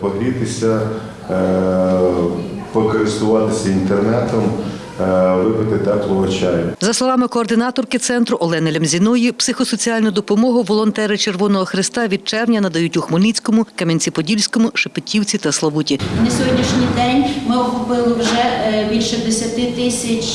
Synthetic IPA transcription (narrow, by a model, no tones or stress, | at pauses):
pɔɦɪt̪ɪsʲɐ | pɔkɔɾɪst̪ʊʋɑt̪ɪsʲɐint̪ernɛt̪ɔm | ʋɪpɪt̪ɪt̪ɛklˠɔʋɔt͡ʃajzɐslˠɔʋɑmɪkɔːrd̪ɪnɑt̪ɔrkɪt̪sɛnt̪ɾʊʔɔlˠɛnɪlʲɛmzʲinɔjipsɪxɔsɔt͡sʲiɑlʲnʊd̪ɔpɔmɔɦʊʋɔlˠɔnt̪ɛɾɪt͡ʃerʋɔnɔɦɔxɾɪst̪ɑʋʲid̪̚t͡ʃɛrnʲɐnɐd̪ɐjutʲuxmɔlʲnit͡sʲkɔmʊkɐmʲeinʲt͡sʲipɔdʲilʲsʲkɔmʊʃepɪtʲiwt͡sʲit̪ɐslˠɐʋutʲinɐsʲɔɦɔdʲnʲiʃnʲijd̪ɛnʲmɪɔkʊpɪlˠɪwʒɛbʲilʲʃɛd̪esʲɐt̪ɪt̪ɪsʲɐt͡ʃʲ